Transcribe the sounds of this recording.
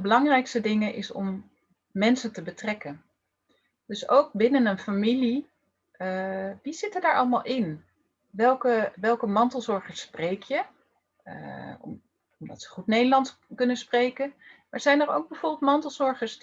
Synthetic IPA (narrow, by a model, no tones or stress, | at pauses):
bəlɑŋrɛjkstədɪŋənʔɪsɔ̰m | mɛnsəntəbətrɛkən | d̥ɵso̰wk̚bɪnənənfamili | ʋiz̥ɪtədaːɹʔɑlˠmalˠʔɪn | ʋɛlˠkəʋɛlˠkəmɑntəlˠzɔɹχəɹsprejkʰjə | ɔmdɑ̰tsə̥χutnejdəɹlɑntkɵnəsprejkən | ɛɹzɛjnəro̰wɡ̚bəvoːɹbɪlˠtmɑntəlˠzɔɹχəɹs